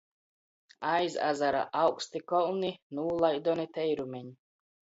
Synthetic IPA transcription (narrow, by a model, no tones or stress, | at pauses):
ajza̰zaɾa̰ʔawkst̪ikɔlˠninuːlˠajd̪ɔnit̪ɛjɾumʲɛɲi